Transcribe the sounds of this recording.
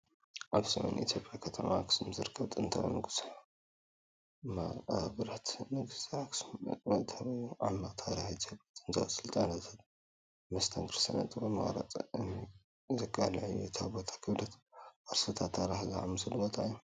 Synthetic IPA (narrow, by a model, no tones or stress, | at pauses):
ʔaβsɐmḛnḭt̪ʰjo̞pʼjakʰɐt̪ʰɐmakʰɨ̥sɨmzɨɾɨkʰːɐβt̪ʼɨnt̪ʰɐ̰w̰nɨɡɨs | mabɐɾat̪nɨɡɨsakʰsʼmɐt̪ʰaβjuʕamːaqʼt̪ʰaɾiħit̪ʰjopʼjat̪ʼɨnt̪ʰɐ̰sɨlt̪ʼanat̪ʰat̪ | mɐst̪ʰɐŋɡɨɾsɐnɐ̰t̪ʼɨbɐmɐ̰ɣɾa̰t̪ʼ | zɨɡʼalʕjut̪ʰabot̪ʰḁkʰɨβlɐt̪ʔaɾsɨt̪ʰat̪ʰːaɾiħza̰ʕamɨsɨlubot̪ʰajːu